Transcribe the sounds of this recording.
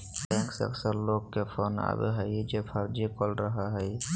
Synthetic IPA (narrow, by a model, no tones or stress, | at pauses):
bɛ̃ŋksə̰ksəɾloɡkːepʰona̰bḛɦəjd͡ʒepʰəɾd͡ʒikolɾəɦaɦəɪ